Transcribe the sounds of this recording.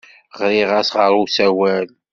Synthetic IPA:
ʁɾɪʁæsʁəɾˤusæwæl

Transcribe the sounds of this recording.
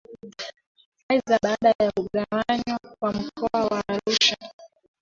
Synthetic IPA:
aizaɓaɗajajauɠawaɲakwam̩kʰɔawaːɾuʃa

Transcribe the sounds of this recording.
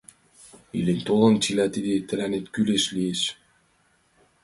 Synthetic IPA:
ḭlenʲt̪olɤ̆nt͡ɕilæt̪id̪et̪ɘ̆lænet̪kyleʃlieʃ

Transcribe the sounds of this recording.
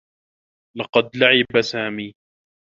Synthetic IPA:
lɑqɑd̪laʕɪbasaːmiː

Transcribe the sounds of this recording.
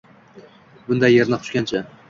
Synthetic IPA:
bʊnd̪ajːeɾnɪqʰʊ̥ʃkʲant͡ʃʰɪ

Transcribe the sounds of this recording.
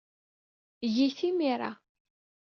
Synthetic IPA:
jiθimiɾˤa̰

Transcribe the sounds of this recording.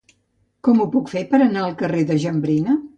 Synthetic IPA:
kɔmupukfepəɾənaəlˠkəreðəʒəmbɾinə

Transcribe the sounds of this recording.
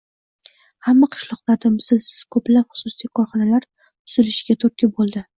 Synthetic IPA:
hamːaqʰɨ̥ʃlˠɒqlaɾd̪amzɪlsɪz̥kʰɵplapχʊ̥sʊsijkʰɒɾχɒnalaɾ | tʊz̥ɪlɪʃɪɡʲat̪ʰɵɾ̚kʲɪbolˠd̪ɪ

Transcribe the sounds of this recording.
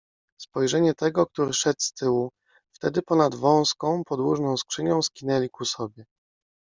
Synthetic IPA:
spɔjʐɛɲɛt̪ɛɡɔk̚t̪uɾɘʂɛt̪st̪ɘwu | ft̪ɛd̪ɘpɔnad̪vɔ̃w̃skɔ̃w̃pɔd̪wuʐnɔ̃w̃skʂɘɲɔ̃w̃skʲinɛlʲikusɔbʲjɛ

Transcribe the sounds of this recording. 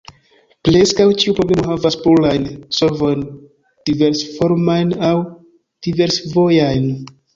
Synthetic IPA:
ple̞skawt͡ʃiupɾo̞ble̞mo̞havaspulajnso̞vo̞jn | d̥ive̞ɾsfo̞ɾmajnaw | d̥ive̞ɾsvo̞jajn

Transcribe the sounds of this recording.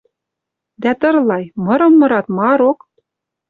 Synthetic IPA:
d̪æt̪ɤ̆rlˠɑjmɤ̆ɾɤ̆mːɤ̆ɾɑt̪mɑɾok

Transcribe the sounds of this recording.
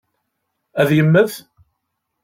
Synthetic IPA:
æðjəmːəð

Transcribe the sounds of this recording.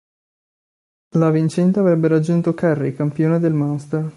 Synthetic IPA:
lavint͡ʃɛnt̪̬eavɾɛbːeɾad͡ʒːunt̪okɛrːikampjoːned̪elmast̪er

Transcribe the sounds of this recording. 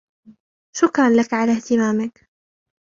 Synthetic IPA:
ʃʊkɾˤɑnlakʕalaht̪ɪmaːmɪk

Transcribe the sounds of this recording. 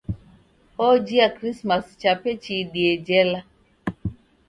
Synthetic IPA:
ɔd͡ʒiakɾismast͡ʃapet͡ʃidied͡ʒɛla

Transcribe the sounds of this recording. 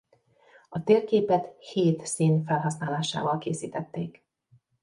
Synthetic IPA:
ɒt̪eːrkeːpɛt̪heːt̪siːnfɛlɦɒsnaːlaːʃa̰ːvɒlkeːsiːt̪ɛt̪ːeːk

